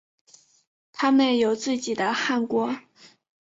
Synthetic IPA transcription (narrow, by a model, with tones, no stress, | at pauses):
t̪ʰa˥mə˨njo˨˩ʊt͡sɹ̩˥˩t͡ɕi˨˩d̪ə˦xa˥˩nkwɔ˥